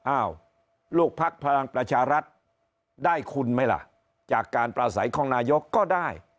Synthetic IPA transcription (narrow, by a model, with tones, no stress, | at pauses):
ʔaː˧˩w | lu˥˩k̚pʰa˦˥k̚pʰa˧ɾa˧ŋpɾa˧t͡ɕʰaː˧ɾa˦˥t̪̚ | daː˥˩jkʰu˧nma˦˥˩jla̰˧˩ʔ | t͡ɕaː˨˩kːaː˧npɾaː˧sa˩˦jkʰɔː˧˩˦ŋnaː˧jo˦˥kːɔː˥˩daː˥˩j